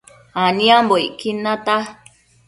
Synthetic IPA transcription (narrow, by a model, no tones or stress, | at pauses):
anĩamboiʔkinãt̪a